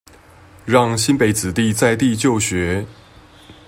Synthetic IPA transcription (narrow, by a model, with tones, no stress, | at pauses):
ɻɑ˥˧ŋɕi˥npe˨˩ɪt͡sɹ̩˨˩t̪i˥˧t͡sa˥˧ɪt̪i˥˧t͡ɕjo˥˩ʊɕɥɛ˧˥